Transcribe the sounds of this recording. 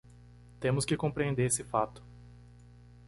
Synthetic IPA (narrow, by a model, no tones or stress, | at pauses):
t̪ẽmʊskɪkõpɾiẽnd̪eɾesɪfat̪ʊ̥